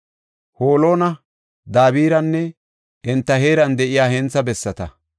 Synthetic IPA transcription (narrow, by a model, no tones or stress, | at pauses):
hoːlo̞ːnɐ | d̪aːβiːɾɐnːɛ | ɛnt̪ːɐheːɾɐnd̪ɛʔɪjaːhɛnt͡sːɐbɛsːɐt̪ɐ